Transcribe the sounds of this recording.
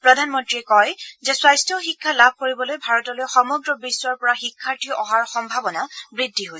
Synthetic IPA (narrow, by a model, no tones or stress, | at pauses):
pɹɔdʱanmɔntɹiɛkɔjzɛswajstɔxikʰːalab̚ʱkoɹibɔlojbʱaɹɔtɔlojxɔmɔɡɹɔbisːwaɹpɔɹaxikʰːaɹtʰiɔʔɔɦaɹxɔmbʱabɔnabɹidʱːiɦoj